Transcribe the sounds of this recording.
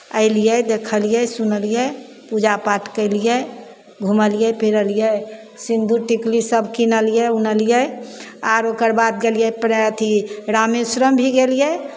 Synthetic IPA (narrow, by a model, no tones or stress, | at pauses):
ə̰ɪlijɛd̪ekʰəlijɛsunəlijɛ | pud͡ʒapaʈʰkəɪlijɛ | ɡʱuməlijɛpeɾəlijɛ | sĩnd̪ʱuʈiklisəbkinəlijɛunəlijɛaɾokəɾbat̪̚ɡelijɛpɾt̪ʰiɾamesɾəmbʱiɡelijɛ